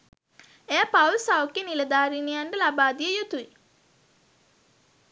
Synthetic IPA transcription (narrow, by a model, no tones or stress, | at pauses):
ejapaulsawkeniləd̪aːɾinejaɳɖəlabaːd̪ijəjut̪ui